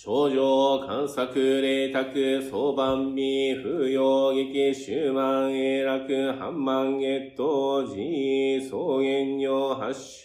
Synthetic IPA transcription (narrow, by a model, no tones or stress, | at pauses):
t͡ɕod͡ʑokʰãnsakɯɾet̪akɯsobamːiɸɯjoɡekeɕɯmaŋeɾakɯha̰mːaŋet̪od͡ʑisoɡeɲːjoɦaɕ